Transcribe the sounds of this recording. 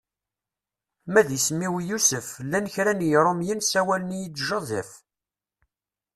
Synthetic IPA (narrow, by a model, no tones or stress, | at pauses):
mæðsmːiwjusəflːænəçɾænjɾˤomjinsæwælənjit͡sːʒɑðæf